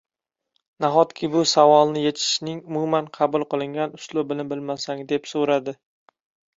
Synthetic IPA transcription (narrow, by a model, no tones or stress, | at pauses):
naχɒt̪kʲʰɪbʊsavɒlˠnɪjet͡ʃ̪ʰɪ̥ʃnɪŋʊmumanqʰɑbʊlˠqɨlˠɪŋʲanʊslˠʊbɪlɪbɪlmasaŋd̪e̞psoɾad̪ɪ